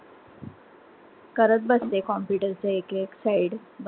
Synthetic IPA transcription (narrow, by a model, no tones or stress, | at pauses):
kəɾət̪̚bəst̪ekɔmpjuːʈəɾt͡səekeksaiɽ | b